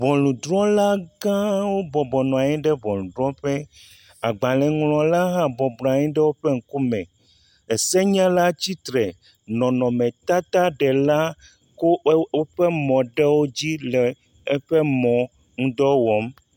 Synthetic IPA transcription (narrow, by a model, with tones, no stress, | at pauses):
vɔ̃˨lũ˨d̪ɾɔ̃˦la˦ɡã˦wo˦bɔ˨bɔ˨nɔ̃˨a˨ɲɛ̃˦ɖɛ˦vɔ̃˨lũ˨d̪ɾɔ̃˦ɸɛ˦ | a˨ɡ͡ba˨lɛ˨ŋlɔ̃˨la˦ɦã˦bɔ˨bɾã˨ɛ̃˦ɖɛ˦wo˦ɸɛ˦ŋ̩˨ku˦mɛ̃˨ | ɛ˨sɛ˦ɲã˦la˦t͡ɕi˦t̪ɾɛ˨ | nɔ̃˨nɔ̃˨mɛ̃˨t̪a˦t̪a˦ɖɛ˨la˦ | ko˦wo˦ɸɛ˦mɔ̃˨ɖɛ˦wo˦d͡ʑi˦lɛ˨ | ɛ˦ɸɛ˦mɔ̃˨ | ŋũ˦d̪ɔ˦wɔ˨˦m